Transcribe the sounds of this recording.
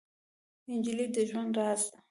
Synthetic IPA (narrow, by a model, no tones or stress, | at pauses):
ɪnd͡ʒilid̪əʒwand̪ɾɑast̪a